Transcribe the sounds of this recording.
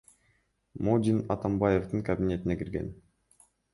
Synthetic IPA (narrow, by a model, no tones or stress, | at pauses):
mod̪ʲinɑ̰t̪ambajeft̪ɯŋkɐbʲinʲe̞t̪inekiɾɡe̞̰n